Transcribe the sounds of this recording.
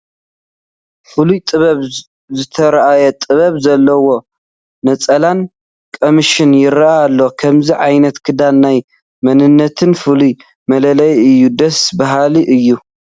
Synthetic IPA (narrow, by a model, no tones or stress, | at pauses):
fɨlujt̪ʼɨβɐβ | zɨt̪ʰɐɾɐʔajɐt̪ʼɨβɐβzɐlːɐwo̞ | nɐt͡sʼɐlan | kʼo̞miʃɪnjɪɾaajalːokʰɐmziʕajnɐt̪kʰɨd̪anːaj | mɐnɨnːɐt̪ʰɨnfɨluj | mɐlɐlɐjɨjːud̪ɐsbaɦaliʔɨjːu